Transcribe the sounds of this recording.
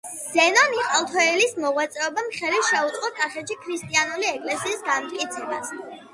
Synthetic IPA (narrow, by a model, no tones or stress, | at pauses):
z̥ɛnɔniχʼalˠt̪ʰɔɛlismɔʁwat̪sʼɛɔbamχɛliʃɛut̪ʼqʼɔkʼaχɛʃikʰɾist̪ʼianuliɛkʼlɛsiːsɡamt̪ʼkʼit̪sʰɛbas